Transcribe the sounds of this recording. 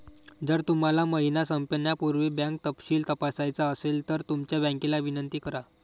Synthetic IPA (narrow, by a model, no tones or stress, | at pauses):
d͡zəɾt̪um̤alaməɦinasəmpəɳjapuɾʋibãŋk̚t̪əpɕiːlt̪əpasajt͡saəselt̪əɾt̪umt͡ɕjabɛ̃ŋkelaʋinənt̪iːkəɾa